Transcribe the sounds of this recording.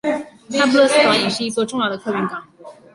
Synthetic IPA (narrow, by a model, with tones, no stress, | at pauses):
t̪ʰa˥pʰu˥lɤ˥˧s̩˥˩t̪wa˨˥ni˧˥˩ʂɻ̩˥˧i˥t͡swɔ˥˧ʈ͡ʂʊ˥˧ŋjɑ˥˩ʊd̪ə˩kʰɤ˥˧py˧˥nkɑ˨˩˦ŋ